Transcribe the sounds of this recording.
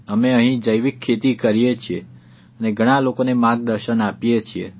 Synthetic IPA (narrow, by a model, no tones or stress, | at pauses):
əmeəɦĩd͡ʒəjʋikʰːet̪ikəɾijet͡ʃʰie | əneɡʱəɽ̃alokonemãɡ̚d̪əɾʃənapjet͡ʃʰiḛ